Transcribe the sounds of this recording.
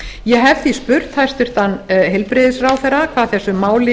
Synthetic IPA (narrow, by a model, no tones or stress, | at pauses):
jɛɦɛvθispʏɾt̪hajst̪ʏɾ̥t̪anːɦɛlpɾɪðɪsraːwθɛɾːakʰv̥aːðθɛsːʏmaːwlɪ